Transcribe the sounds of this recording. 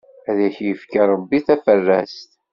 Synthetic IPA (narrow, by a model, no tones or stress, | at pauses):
æðæçjəfkəɾˤəbːiθæfərːæst̪